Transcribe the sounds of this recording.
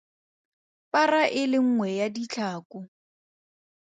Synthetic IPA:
paraʔɪlɪŋ̩ŋwɛjadit͡ɬʰaːkʊ

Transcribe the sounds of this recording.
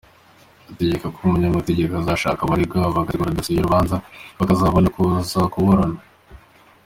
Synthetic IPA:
ate̞ɟekakumuɲamateɟe̞kazaʃa̰ːkaβaɾibɡavaaɡatiɡuɾad̪asiɟoɾuβaːnzaβakazaβonakuzakoβoɾana

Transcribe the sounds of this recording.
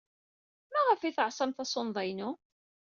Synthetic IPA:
mæʁəfiθəʕsˤæmθæsˤonðˤɑjnu

